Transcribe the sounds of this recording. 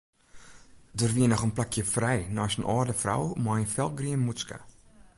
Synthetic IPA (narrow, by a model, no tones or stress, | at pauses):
dərʋiənɔχənplakjəfrɛjnɔːsənʔɔːrdəfra̰wmɔjənfɛlˠɡriənmuska̰